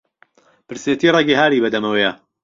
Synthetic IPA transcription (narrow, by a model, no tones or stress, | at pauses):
pɨɾset̪iːreɡiɦaːɾibɐd̪ɐmɐwejɐ